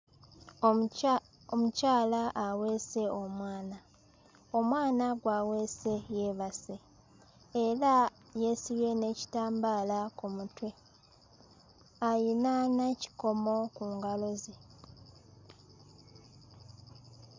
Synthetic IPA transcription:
omucaːlaʔːweːse̞o̞mwaːna | o̞mwaːnaɡwawe̞se̞jeβaseː | ɾa | je̞siβe̞ne̞ːci̥taːmbaːlakumutwe̞ | ajinaneci̥ko̞mo̞kuːŋɡalo̞ze

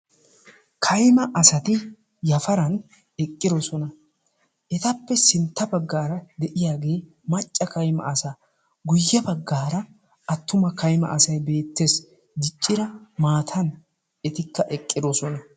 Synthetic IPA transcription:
kʰɐjmɐʔɐsɐt̪ɪ | jɐfɐɾɐn | ɛkʼːɪd̪ɔsɔnɐ | ɛt̪ɐpːɛsɪnt̪ːɐbɐɡːaːɾɐd̪ɛʔɪjaːɡe̞ː | mɐt͡ʃʼːɐkɐjmɐ̰ʔːsaː | ɡʊjːɐbɐɡːaːɾɐ | ɐt̪ːʊmɐkɐjmɐ̰ʔɐsɐjbe̞ːt̪ːe̞ːs | d̪ɪt͡ʃʼːɪɾɐmaːt̪ʰɐn | ɛt̪ɪkːɐʔɛkʼːɪd̪osɔnɐ

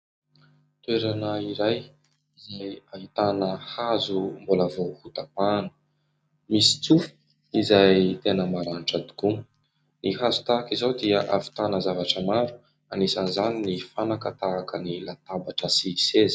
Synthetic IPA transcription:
t̪weɾanaiɾaj | izajaɦit̪anəhazumbolavohut̪apanə̥ | misi̥t͡sufi̥ | izajt̪enəmaɾaniʈ͡ʂad̪i̥ku | nihazu̥t̪akizawd̪iaʔavi̥t̪anəzavaʈ͡ʂəmaɾu̥ | anisanizaninifanakət̪aːkənilat̪abaʈ͡ʂəsisezi̥

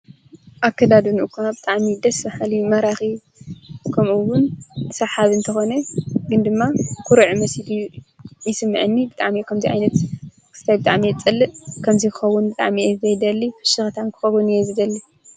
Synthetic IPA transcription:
ʔakːɐd̪ad̪unʔɨkʰːabɨt̪ʼaʕmid̪ɐsmaħalimɐɾaxi | kʰɐmuwːʊnsaħaβɨnt̪ʰɐxo̞neɡɨnd̪ɨmːakʰuɾɨʕmɐsid̪jjɪsɨmːɨʕɨnːibɨt̪ʼaʕmijkʰɐmziʕa̰jnɐt̪ | kʰɨ̥st̪ʰajbɨt̪ʼa̰ʕmijɛt͡sʼɨlːɨʔkʰɐmzikʰɨxɐwːunbɨt̪ʼa̰ʕmiezzɐjd̪ɐlːifɨʃɨxt̪ʰankʰɨ̥xɐwunɨjɛzɨd̪ɐlːi

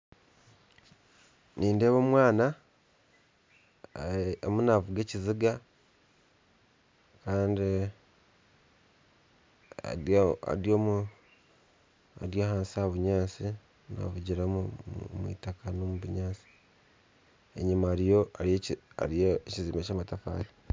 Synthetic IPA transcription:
niːndeːβoːmwaːna | amunavuɡeciziɡa | kaːndi | a̰a̰ɾjoːmu | a̰ɾjaːhaːnsiaβuɲaːsi | na̰vuɟiɾamumwḭːtakanomuβuɲaːsi̥ | ḛɲimaɾijoaɾjea̰ɾijeeciziːmecamatafa̰ːɾi

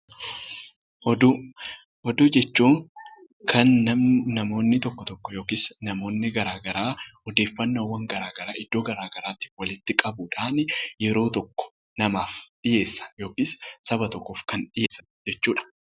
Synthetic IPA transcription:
hɔd̪u | hɔd̪uːd͡ʒɛt͡ʃːuːŋ | kʰɐnːɐmːɐmo̞ːnːɪt̪ɔkːɔt̪ɔkːɔjo̞ːkiːsnɐmo̞ːnːɪɡɐɾaːɡɐɾaːɔd̪e̞ːfːɐnːowːɐŋɡɐɾaːɡɐɾaːɪd̪̥ːoːɡɐɾaːɡɐɾaːt̪ɪ̥wɐlɪt̪ːɪkʼɐbuᶑaːnjɛɾo̞ːt̪ɔkːɔ̥ | nɐmaːfᶑɪje̞ːsːɐ̥jo̞ːkiːssɐbɐt̪ɔkːoːfkɐnᶑɪjeːsːɐ̥ | d͡ʒɛt͡ʃːuːᶑɐ̥

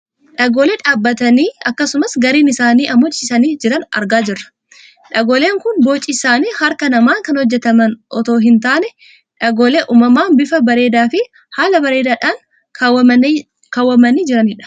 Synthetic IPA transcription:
ᶑɐɡoːleᶑaːbːɐt̪ɐniːɐkːɐsʊmɐsɡɐɾiːnɪsaːniːʔɐmɔt͡ʃːɪsɐniːd͡ʒɪɾɐnɐ̰ɾɡaːd͡ʒɪrːɐ̥ | ᶑɐɡoːle̞ːŋkʊnboːt͡ʃʼɪsaːniːhɐɾkɐnɐmaːŋkɐnhɔd͡ʒːɛt̪ɐmɐnʔɔt̪o̞ːɦɪnt̪aːnɛ | ᶑɐɡoːleʔuːmɐmaːnbɪfɐbɐɾe̞ːd̪aːfɪ | haːlɐbɐɾe̞ːd̪aːᶑaːŋ | wɐ | kawːɐmɐniːd͡ʒɪɾɐnɪᶑɐ̥

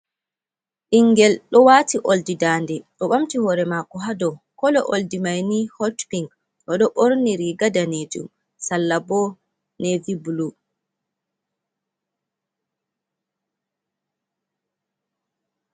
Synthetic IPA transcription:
ʔiŋɡɛlɗɔwaːtiʔoldidaːndɛɗɔɓamtihɔɾɛmakɔɦadɔkɔlɔʔoldimajnihɔtpiŋɡ | ɗɔɗɔʔoɾniɾiɡadaned͡ʒṵm | salːabɔ | nevibulu

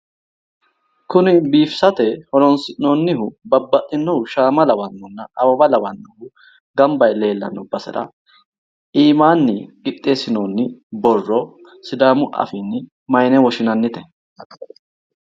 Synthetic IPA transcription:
kʊnɪbiːfsɐt̪ɛhɔɾɔnsɪnɔnːɪhʊbɐbːɐt̪ʼːɪnːɔʊʃaːmɐlɐwɐnːɔnːɐɐwɐbɐlɐwɐnːɔhʊ | ɡɐmbɐjle̞ːlːɐ̰nːɔbɐsɛ̰ɾɐ̰ | iːmaːnːɪkɪt̪ʼːeːsɪnɔnːɪbɔrːɔ | sɪd̪aːmʊʔɐ̰fɪnːɪ | mɐjnɛwɔʃɪnɐnːɪt̪ɛ

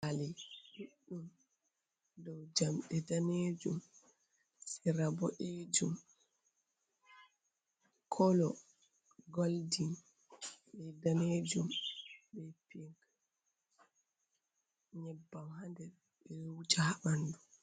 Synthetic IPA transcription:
aliɗuɗːum | dɔwd͡ʒamɗɛdaned͡ʒum | siɾabɔʔed͡ʒum | kʰɔlɔ | ɡoldin | ɓɛdaneːd͡ʒumbɛpiŋk | ɲɛbːamhandɛɾ | bɛwud͡ʒahaɓandu

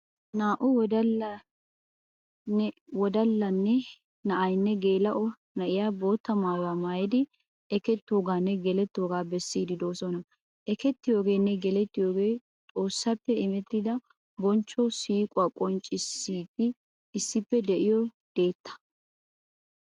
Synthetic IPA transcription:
naːʔʊwɔd̪ɐ | wɔd̪ɐlːɐnːɛ | nɐʔɐjnːɛɡe̞ːlɐʔɔ | nɐʔɪjaːbo̞ːt̪ːɐmaːjwaːmaːjɪd̪ɪ | ɛkɛt̪ːoːɡaːnːɛɡɛlɛt̪ːoːɡaːbɛsːiːd̪ɪd̪o̞ːsɔnɐ | ʔɛkɛt̪ːɪjo̞ːɡe̞ːnːɛɡɛlɛt̪ːɪjo̞ːɡe̞ː | t̪ʼo̞ːsːɐpːɛɪmɛt̪ːɪd̪ɐ | bɔnt͡ʃːɔsiːkʼʊwaːkʼɔnt͡ʃʼːɪsːiːtːɪ | ɪsːɪpːɛd̪ɛʔɪjɔ | d̪̥e̞ːt̪ːɐ̥

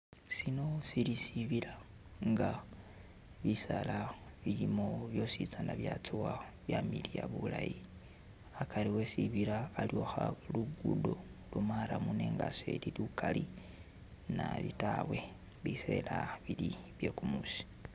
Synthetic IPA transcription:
sino̞silisiβila | ŋɡa | βisalaβilimoβjo̞sit͡sanaβjat͡suwaβjamilijaβulaji | akaliwesiβiɾaːlioxaluɡudolumaɾamune̞ŋɡase̞̰lilukali | naβitawe̞ | βise̞laβiliβjekumusi̥

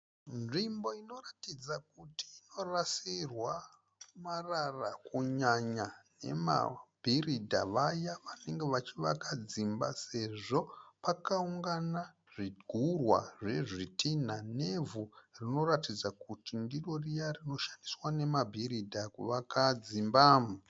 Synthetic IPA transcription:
nʐimbo̞ino̞ratid͡zakutiːno̞rasirwa | mararakuɲaɲane̞̰ma̰bʱiridʱa̰ʋajaʋane̞ŋɡe̞ʋat͡ʃiʋakad͡zimba̰se̞ʐo̞pakauŋɡana | ʐiɡʱurwa̰ʐe̞ʐitʰinane̞vurino̞ratid͡zakutindiro̞rijarino̞ʃḁndiswane̞mabʱiɾidʱakuʋakʰad͡zimbaːmu

